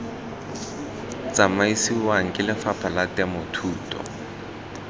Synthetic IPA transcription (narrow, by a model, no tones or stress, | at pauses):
t͡sʼamaisiwaŋ̩kʼɪlɪfapʰalatʼɛmʊtʰuːtʼɔ̰